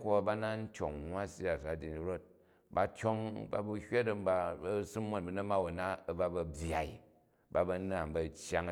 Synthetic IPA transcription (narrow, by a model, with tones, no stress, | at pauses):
kʷo˦˨ba˦na˦n̩˦t͡ʃo˨ŋnwa˦si˦a˨sa˦di˨ni˨ɾo˦t̚ | ba˧t͡ʃʲo˦ŋba̰˧bu˧hʲe˦tɐ˦m̩˦ba˧ɐ˦sɨ˦mːo˦˨nbɐ˨nɐ˦ma˦wo˨na˦ɐ˨ba˦bɐ˧bʲja˨i˨ | ba˧bɐ˦˧n˦a˨mbɐ˨t͡ʃja˦ŋ˦